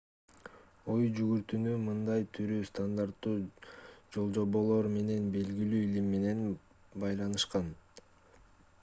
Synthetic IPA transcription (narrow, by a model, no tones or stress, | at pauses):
o̞jd͡ʒyɡyɾt̪ynymɯnd̪ɑjt̪ʰyɾyst̪and̪aɾt̪ːuːd͡ʒo̞lˠd͡ʒo̞βo̞lˠo̞ɾme̞ne̞nbe̞lɡilyːilimːe̞ne̞n | bɑjlˠɑnɯʃqɑn